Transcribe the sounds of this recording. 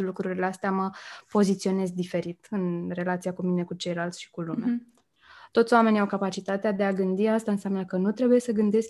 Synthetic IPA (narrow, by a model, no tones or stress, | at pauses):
lukɾuɾileast̪eaməpo̞zit̪sio̞ne̞zd̪ife̞ɾit̪ɨnre̞lat̪siakumine̞kut͡ʃe̞jlalt̪sʲʃi̥kulumea | t̪o̞t̪soame̞niawkapat͡ʃit̪at̪ead̪e̞aɡɨnd̪iast̪aɨnseamnəkənut̪ɾe̞buje̞səɡɨnd̪e̞sk